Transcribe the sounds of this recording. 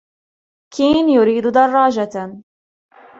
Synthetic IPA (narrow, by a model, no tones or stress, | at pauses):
kʰiːnjʊɾiːd̪d̪ɑrˤːɑːd͡ʒa